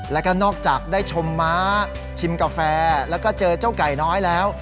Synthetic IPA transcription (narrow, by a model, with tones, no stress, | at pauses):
lɛː˦˥kɔː˥˩nɔː˥˩k̚t͡ɕaː˨˩k̚daː˥˩jt͡ɕʰo˧mːa˦˥ | t͡ɕʰi˧mka˧fɛː˧lɛː˦˥wkɔː˥˩t͡ɕɤː˧t͡ɕaː˥˩wka˨˩jnɔː˦˥jlɛː˦˥w